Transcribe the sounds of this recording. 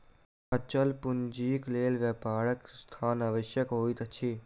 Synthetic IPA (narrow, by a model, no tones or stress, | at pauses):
ɐt͡ʃɐlpʊnd͡ʒiːkleːlʋeːpaːɽəkst̪ʰaːnɐʋəʃjəkɦoːit̪ɐt͡ʃʰi